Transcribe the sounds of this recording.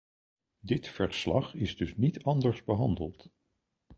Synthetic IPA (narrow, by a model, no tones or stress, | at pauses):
dɪtfəɹslɑχɪzdɵsnitɑndəɹzbəɦɑndəlˠt